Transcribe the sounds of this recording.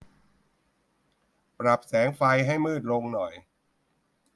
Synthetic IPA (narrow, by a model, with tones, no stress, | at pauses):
pɾa˨˩p̚sɛː˩˦ŋfa˧jɦa˥˩jmɯː˥˩t̪̚lo˧ŋnɔ˨˩j